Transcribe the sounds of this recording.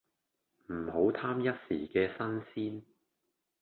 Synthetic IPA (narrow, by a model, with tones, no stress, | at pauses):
m̩˨˩ho˨˥wt̪ʰaː˥mjɐ˥t̚siː˨˩kɛː˧sɐ˥nsiː˥n